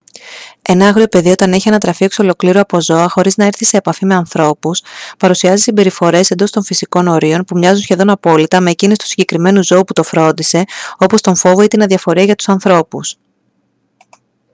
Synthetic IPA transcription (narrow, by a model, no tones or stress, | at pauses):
e̞nɐɐɣɾio̞pe̞ðio̞t̪ɐneçienɐt̪ɾɐfikso̞lo̞kliɾoɐpo̞zo̞ɐxo̞ɾiznɐeɾθise̞ːpɐfime̞ɐnθɾo̞puspɐɾusiɐzisimbe̞ɾifo̞ɾe̞se̞nd̪o̞st̪o̞ɱfisiko̞no̞ɾio̞npumɲɐzunsçe̞ðo̞nɐpo̞lit̪ɐme̞ːcinest̪u̥siɲɟe̞kɾime̞nuzo̞uput̪o̞fɾo̞nd̪ise̞o̞po̞st̪o̞ɱfo̞vo̞it̪inɐðiɐfo̞ɾiɐʝɐt̪u̥sɐnθɾo̞pus